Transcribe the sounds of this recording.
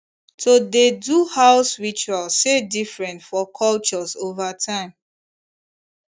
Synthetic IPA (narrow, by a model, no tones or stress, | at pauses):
tʰodeduhaʊsɹit͡ʃualsedifɹɛ̃ntfɔkʰɔlt͡ʃɔzovatʰãɪ̃m